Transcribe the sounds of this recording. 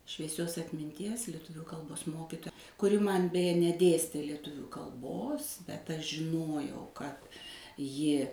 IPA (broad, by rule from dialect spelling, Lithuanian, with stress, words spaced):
ʃʲʋʲiɛˈsʲoːs ɐtʲmʲɪnʲˈtʲiɛs lʲiɛˈtʊʋʲuː kɐlˠˈboːs ˈmoːkʲɪtoːjɛ kʊˈrʲɪ ˈmɐn bʲɛˈjɛ nʲɛˈdʲeːsʲtʲeː lʲɛˈtʊʋʲuː kɐlˠˈboːs bʲɛt ɐʃ ʒʲɪˈnoːjɛʊ kɐt ˈjɪ